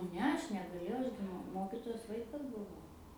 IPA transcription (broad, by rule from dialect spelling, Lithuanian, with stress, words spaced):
ˈnʲɛ ˈɐʃ nʲɛɡɐˈlʲeːjɛʊ ˈɐʃ ɡʲɪ mʊ ˈmoːkʲɪtoːjoːs ˈʋɐɪkɐs bʊˈʋɐʊ